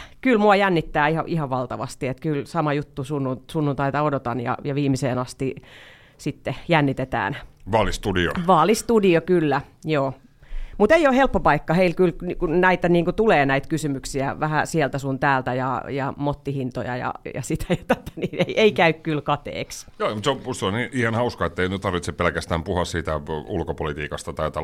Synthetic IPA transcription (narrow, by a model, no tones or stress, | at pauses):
kylmuɑjænːit̪ːæːihɑ̰ʔihɑʋʋɑlt̪ɑʋɑst̪iet̪kylsɑmɑjut̪ːusunːusunːunt̪ɑit̪ɑodot̪ɑnjɑ̰jɑʋiːmiseːnɑst̪i | sit̪ːejænːit̪et̪æ̰ːnʋɑːlist̪udio̰ʋɑːlist̪udiokylːæjoː | mut̪eijohelpːopɑikːɑheilkylnkunæit̪æniːŋkut̪uleːnæit̪kysymyksiæʋæhæsielt̪æsunt̪æːlt̪æjɑ̰jɑ̰mot̪ːihint̪o̰jɑ̰jɑ̰jɑ̰sit̪æ̥jɑt̪æt̪æ̥niːneiʔeikæykkylkɑt̪ḛːksjoːmut̪seout̪seonniːʔihɑnhɑuskɑet̪ːeinyt̪t̪ɑrʋit̪sepelkæst̪æːmpuhɑssiːt̪æulkopolit̪iːkɑst̪ɑt̪ɑit̪ɑ